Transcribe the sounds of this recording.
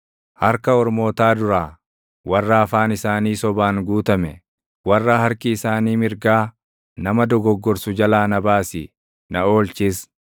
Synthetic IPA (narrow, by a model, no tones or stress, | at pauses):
hɐɾkɐɔɾmo̞ːt̪aːd̪ʊɾaː | wɐrːaːfaːnɪsaːniːsɔbaːŋɡuːt̪ɐmɛ | wɐrːahɐɾkɪːsaːniːmɪɾɡaː | nɐmɐd̪ɔɡɔɡːɔɾsʊd͡ʒɐlaːnɐbaːsɪ̰ | nɐo̞ːlt͡ʃɪːs